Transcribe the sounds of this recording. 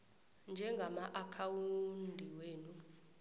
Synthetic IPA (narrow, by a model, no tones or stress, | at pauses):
nd͡ʒʱɛŋɡʱamaʔakʰawundʱiweːnu